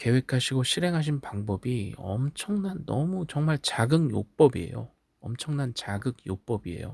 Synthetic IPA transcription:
ke̞wekʰaɕʰiɡoɕʰiɾe̞ŋɦaɕʰinpaŋbʌbiʌ̰mt͡ɕʰʌŋnanːʌmut͡ɕʌŋmaɭt͡ɕaɡɯŋjo̰p͈ʌbie̞̰jo̰ | ʌmt͡ɕʰʌŋnant͡ɕaɡɯɡ̚jop͈ʌbie̞̰jo̰

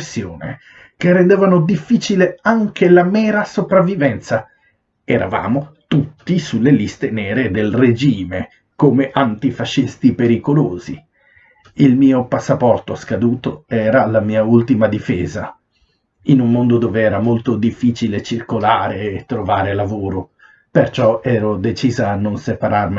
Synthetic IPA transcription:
sːjoːnḛ | kerːend̪eːvanod̪ifːiːt͡ʃileaŋkʰelamɛːɾasopɾavːivɛnt̪sa | ɛɾa̰va̰ːmot̪ut̪ːisulːelist̪enɛːɾed̪elred͡ʒiːme | komeʔant̪ifaʃːist̪ipeɾikoloːzḭ | ilmiːopasːapɔrt̪oaskad̪uːt̪oɛːɾalamiːault̪imad̪ifḛːza | inummond̪od̪oːveɛːɾamolt̪od̪ifːiːt͡ʃilet͡ʃirkolaːɾeːt̪ːɾovaːɾelavoːɾo | pert͡ʃɔɛːɾod̪et͡ʃiːzaːnːonsepaɾarmi

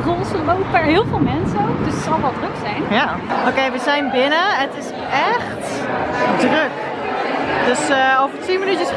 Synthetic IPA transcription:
rɔlˠsəlmowpɛɹɦɪːlˠvɪːlˠmɛnsəowkdɵstsɑlˠʋɛlˠdrɵksɛjnja | owkejʋəzɛjnbɪnəətɪs | ɛχt | drøk | døsovəɹtʋimənytəs

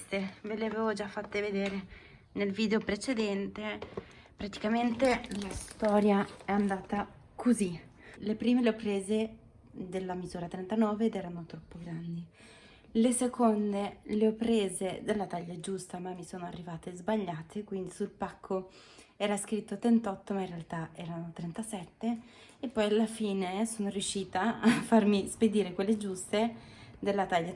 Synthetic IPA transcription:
t̪eveleaveːvod͡ʒafːat̪ːeved̪eːɾe | nelviːd̪eopɾet͡ʃed̪ɛnt̪e | pɾat̪i̥kament̪elast̪ɔːɾjaɛand̪aːt̪a | kʰozi | lepɾiːmeleopːɾeːze | d̪elːamizuːɾat̪ɾɛnt̪anɔːveːd̪ɛːɾanot̪ɾɔpːoɡɾand̪i | lesekʰond̪eleɔpːɾeːzed̪elːat̪aʎːad͡ʒust̪amamːisoːnoarːivaːt̪ezbaʎːaːt̪ʰekwind̪isulpakʰːo | ɛːɾaskɾit̪ːot̪ɾent̪ɔt̪ːomainrealt̪aɛːɾanot̪ɾɛnt̪asɛt̪ːe | epːɔjalːafiːnesoːnoɾjuʃːiːt̪aːfːarmisped̪iːɾekwelːed͡ʒust̪e | d̪elːat̪aʎːa

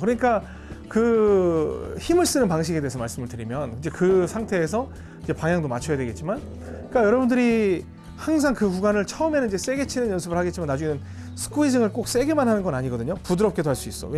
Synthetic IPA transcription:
kɯɾʌɲik͈a | kɯ | çimɯɭs͈ɯnɯnpaŋɕ̬ʰiɡedeesʰʌmaɭs͈ɯmɯɭtɯɾimjʌnkɯnd͡ʑekɯsʰaŋtʰe̞ːsʰʌ | id͡ʑe̞paŋjaŋdoma̰t͡ɕʰʌjadwe̞ɡe̞t̚t͡ɕ͈iman | k͈ajʌɾʌbundɯɾi | haŋs̬ʰaŋkɯkuɡanɯɭt͡ɕʰʌɯmenɯnid͡ʑe̞s͈e̞ɡe̞t͡ɕʰinɯnjʌnsʰɯbɯɭhaɡe̞tt͡ɕimanːad͡ʑuŋenɯn | sʰɯ̥k͈ʰuid͡ʑɯŋɯɭk͈ok̚s͈e̞ɡe̞manɦanɯnɡʌnaɲiɡʌdɯɲopudɯɾʌp̚k͈e̞doɦaɭs͈uis͈ʌ̰we

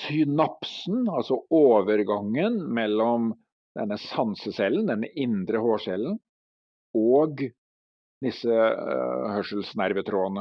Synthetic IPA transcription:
sʏnɑpsn̩ɑlsɔoːʋəɾɡɑŋːənmɛlːɔm | d̪̥ɛnːəsɑnsəsɛlːənd̪ɛnːəʔɪnd̪ɾəhoːʂɛlːən | ɔːɡ | d̪ɪsə | hœʂəl̩snæɾʋət̪ʰɾoːnə

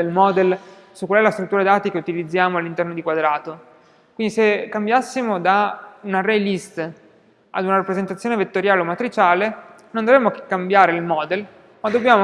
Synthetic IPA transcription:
elmɔːd̪el | sukwalɛlast̪ɾut̪ːuːɾad̪aːt̪ekeut̪ilid̪zːjaːmoalːint̪ɛrnod̪ikwad̪ɾaːt̪o | kwind̪isekːambjasːimod̪aunaɾɛlist̪ | a̰d̪unaɾapɾezent̪at̪sːjoːnevet̪ːoɾjaːleomat̪ɾit͡ʃaːle | nond̪ovɾɛmːoke̥kːambjaːɾeilmɔːd̪el | mad̪ːobːjaːmo

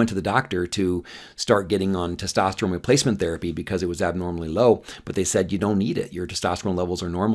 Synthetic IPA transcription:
ɛ̃ntʰɨðɨdɑk̚tə˞ɾɨ | stɑɹt̚ɡ̥ɛɾɪ̃ŋə̃ntʰɛstɑstɹ̥õʊ̃nɹɨpʰeɪsmɨ̃nθɛɹɨpibɨkʰʌzɨt̚wʌzæb̚nɔɹml̩ˠiloʊb̥ʌt̪̚ðeɪsɛdjɨdõʊ̃nːiɾɪ̰ʔjə˞tʰɨstɑ̰stɹõnlɛvl̩ˠzə˞nɔɹm

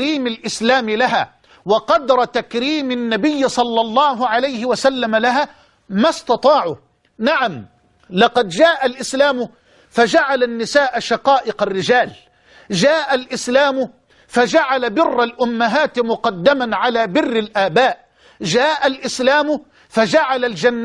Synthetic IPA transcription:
ɾiːmalʔɪslaːmɪlaɦaː | wɑqɑd̪ɾˤɑt̪akɾiːmɪnːabɪjːɪsˤɑlːɑlˤːɑːɦʊʕalajhɪwasalːamalaɦaː | mast̪ɑt̪ˤɑːʕʊ | naʕam | lɑqɑd̪d͡ʒaːʔalʔɪslaːmʊ | fad͡ʒaʕalanːɪsaːʔʃɑqɑːʔɪqarːɪd͡ʒaːl | d͡ʒaːʔalʔɪslaːmʊ | fad͡ʒaʕalabɪrːalʔʊmːaɦaːt̪mʊqɑd̪ːɪmanʕalaːbɪrːɪlʔaːbaːʔ | d͡ʒaːʔalʔɪslaːmʊ | fad͡ʒaʕalald͡ʒanː

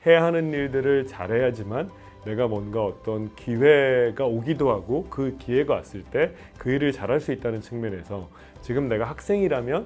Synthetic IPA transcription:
he̞jaɦanɯnːiɭdɯɾɯɭt͡ɕa̰ɾɦe̞jad͡ʑimanː | e̞ɡamwʌnɡaʌt͈ʌnkiwe̞ɡaoɡidoɦaɡokɯkiwe̞ɡaa̰s͈ɯɭt͈e̞ | kɯiɾɯɭt͡ɕaɾɦaɭs͈uit̚t͈anɯnt͡ɕʰɯŋmjʌne̞sʰʌ | t͡ɕiɡɯmne̞ɡahak̚s͈e̞ŋiɾamjʌn

